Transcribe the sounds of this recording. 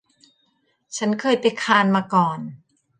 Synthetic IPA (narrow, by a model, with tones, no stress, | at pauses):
t͡ɕʰa˦˥nkʰɤː˧˩jpa˧jkʰaː˧nmaː˧kɔː˨˩n